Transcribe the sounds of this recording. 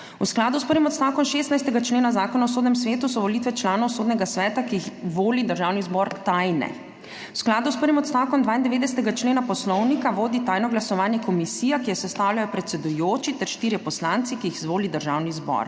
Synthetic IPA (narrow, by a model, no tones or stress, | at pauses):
ṵsklaːd̪uspəɾʋimɔt̪st̪aːwkɔmʃeːst̪najst̪ɛɡat͡ʃleːnazaːkɔnaɔsoːd̪nɛmsʋeːt̪usɔʋɔlit̪ʋɛt͡ʃlaːnɔwsoːd̪nɛɡasʋɛːt̪akiixʋoːlid̪əɾʒaːwnizbɔɾt̪ajnɛ̰ | usklaːd̪uspəɾʋimɔt̪st̪aːwkɔmd̪ʋaːind̪ɛʋeːd̪ɛsɛ̥t̪ɛɡat͡ʃleːnapɔslɔwnikaʋoːd̪it̪ajnɔɡlasɔʋaːnjɛkɔmisiːjakijɛsɛst̪aːwljajɔpɾɛt̪sɛd̪ujoːt͡ʃit̪ɛɾʃt̪iːɾjɛpɔslaːnt̪sikiixzʋoːlid̪əɾʒaːwnizbɔ̰ɾ